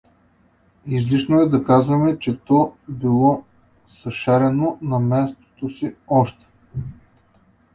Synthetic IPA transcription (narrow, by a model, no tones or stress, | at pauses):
izliʃnoɛd̪ɐkazvɐmɛt͡ʃɛt̪ɔbilˠɔ | sɐʃaɾɛnonɐmɛst̪o̥t̪osiɔʃt̪ɛ̥